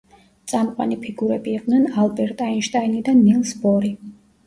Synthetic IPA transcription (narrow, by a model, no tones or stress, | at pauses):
t̪sʼamqʼwa̰nipʰiɡuɾɛbiːqʼd̪nɛnalˠbɛɾt̪ʼainʃt̪ʼainid̪anːilˠsbɔɾi